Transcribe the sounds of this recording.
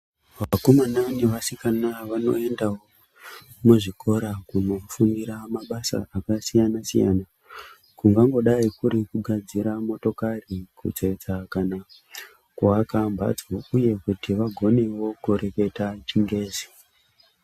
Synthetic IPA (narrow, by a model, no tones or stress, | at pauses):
ʋakomananiʋasikanaʋano̞̰e̞ndawo | muʐiko̞ɾakuno̞fundiɾamaɓasa̰akasijanasḭja̰na | kuŋɡaŋɡo̞ɗaikuɾikuɡʱad͡ziɾamo̞to̞karikṵt͡set͡sakana | kuakambʱa̰d͡zouje̞kutiʋaɡʱo̞ne̞wo̞kuɾe̞ke̞tat͡ʃiŋɡe̞ːzi